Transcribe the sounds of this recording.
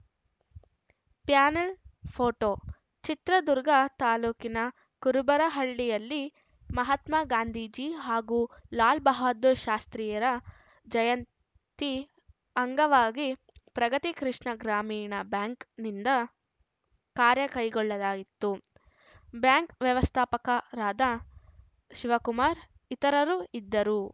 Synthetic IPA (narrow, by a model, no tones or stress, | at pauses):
pjaːnɐlpʰoːʈoː | t͡ʃit̪ɾɐd̪uɾɡɐt̪aːluːkinɐ | kuɾubɐɾɐɦɐɭːijɐlːi | mɐɦɐt̪maɡaːnd̪ʱiːd͡ʒiɦaːɡuːlaːlbɐɦaːd̪oʃaːst̪ɾiːjɐɾɐ | d͡ʒɐjɐn | t̪i | ɐŋɡɐʋaːɡi | pɾɐɡɐt̪ikɾiʂɳɐɡɾaːmiːɳɐbjaːŋknind̪ɐ | kaːɾjɐkɐjɡɔɭːɐlaːɡit̪ːu | bjaːŋkʋjɐʋɐst̪ʰaːpɐkɐɾaːd̪ɐ | ʃiʋɐkumaːɾ | it̪ɐɾɐɾuid̪ːɐɾu